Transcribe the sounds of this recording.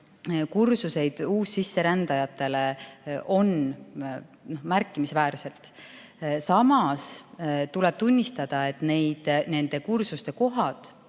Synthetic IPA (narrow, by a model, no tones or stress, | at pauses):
kursuse̞jd̪̥uːsːisːe̞ɾænd̪̥ɑjɑt̪ːˑe̞le̞ʔo̞n | nohmærkˑːimisvæːɾse̞lt̪ˑ | sɑmɑst̪ule̞b̥t̪unʲːist̪ɑd̪̥ɑe̞t̪ˑne̞jd̪̥ne̞nd̪e̞kursust̪e̞ko̞ɦɑd̪̥